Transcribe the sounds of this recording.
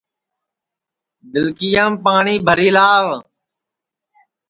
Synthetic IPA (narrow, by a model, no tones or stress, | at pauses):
d̪ɪlkɪjãːmpaːɳiːbʱəɾiːlaːʋ